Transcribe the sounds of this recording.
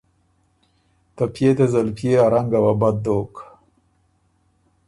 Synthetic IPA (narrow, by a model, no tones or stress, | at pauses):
t̪apjet̪ezalpjeaɾaŋɡawabad̪d̪oːk